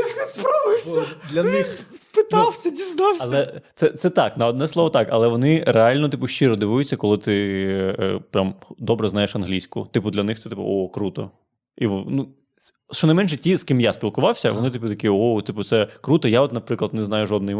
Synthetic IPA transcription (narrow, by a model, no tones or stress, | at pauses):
spɾɔʋɪwsɐd̪lʲɐnɪxspɪt̪ɑwsʲɐdʲiznɑwsɐlˠɛt̪sɛt̪sɛt̪ɑknɐɔd̪nɛslˠɔʋɔt̪ɑkɐ̰lˠɛʋɔnɪɾʔealʲnɔt̪ɪpʊʃt͡ʃɪɾɔd̪ɪʋujʊːɐkɔlˠɪt̪ɪ | pɾʲamd̪ɔbɾɛznɑjeʃɐnɦlʲisʲkʊ̰t̪ɪpʊd̪lʲɐnɪxɛt̪ɪpʊ̰ʔokɾut̪ɔ̰ | iʋɔnu | ʃt͡ʃɔnɐjmɛnʃɛtʲiskɪmjasʲpʲilˠkʊʋɑwsʲɐʋɔ̰nɪt̪ɪpʊt̪ɐkʲiot̪ɪpʊt̪sɛkɾut̪ɛjaɔt̪nɐpɾɪklˠɐd̪nɛznɑjʊʒɔd̪̚nɪj